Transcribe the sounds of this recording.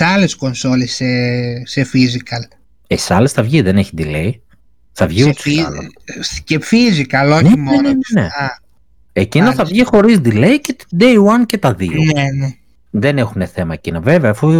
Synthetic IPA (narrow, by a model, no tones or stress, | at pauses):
ɐlesko̞nsolisesefizikɐl | esɐlesθɐvʝiðe̞ne̞çid̪ilei | θɐvʝiusɐ̰lo̰cefizikɐloneimoennenḛɐ | ecinnɐθɐvʝixo̞ɾizd̪ile̞icet̪d̪eiwɐncet̪ɐðinene | ðe̞nexune̞θe̞mɐecinɐve̞veɐːfu